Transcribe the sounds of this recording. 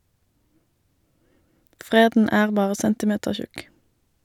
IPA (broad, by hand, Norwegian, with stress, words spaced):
ˈfʁeːdn̩ ˈæːʁ ˈbɑːʁə ˈsɛntɪˌmeːtəʁˌçʉk